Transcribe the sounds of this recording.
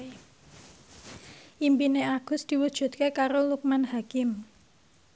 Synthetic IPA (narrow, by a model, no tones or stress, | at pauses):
ʔimpineaɡ̥ʊ̤sd̪̥i̤wud̥ʒ̥ṳt̪̚kekaɾoluk̚manhakɪm